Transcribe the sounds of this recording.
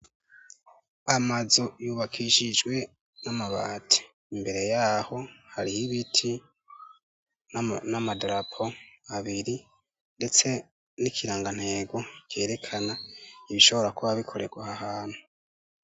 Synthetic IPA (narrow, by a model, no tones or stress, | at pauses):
amazo̞juːβakʰiʃid͡ʒɡwe̞ | namaβaːtʰi̥ | imbe̞ɾe̞jaːho̞haɾihiβitʰi | namadɾapʰo̞aβiɾi | nde̞t͡se̞ | nikʰiɾaːŋɡan̥he̞ːɡo̞ke̞ːɾe̞kʰanaiβiʃo̞βo̞ɾakuβaβikʰo̞ɾe̞ɡwahahaːn̥hu